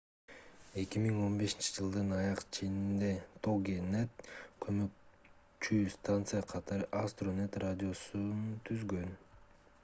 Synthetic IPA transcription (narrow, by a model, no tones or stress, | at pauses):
e̞kʲimiŋo̞nbe̞ʃint͡ʃi̥d͡ʒɯlˠd̪ɯnɑjɑqt͡ʃʰenind̪e̞t̪ʰoɡʲenet̪̚kʰø̞møk̚ | t͡ʃyst̪ant̪sɨjaqʰɑt̪ɑɾɯʔast̪ronet̪radʲio̞sunt̪ʰyzɡø̞n